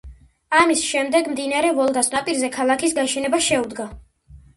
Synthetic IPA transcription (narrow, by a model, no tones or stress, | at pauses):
amisʃɛmd̪ɛɡmd̪inaɾɛvɔlˠɡasnapʼiɾzɛkʰalˠakʰisɡaʃɛnɛbaʃɛud̪ɡa